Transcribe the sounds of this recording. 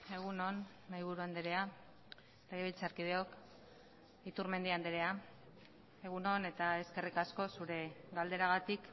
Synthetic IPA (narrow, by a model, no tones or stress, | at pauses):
e̞ɣ̞uno̞n | majβ̞uɾuand̪eɾe̞a | leɣ̞eβilt͡saɾkið̞e̞o̞k | it̪uɾme̞nd̪iand̪eɾe̞a | e̞ɣ̞uno̞ne̞t̪ae̞ske̞rikasko̞suɾe̞ɡald̪e̞ɾaɣ̞at̪ik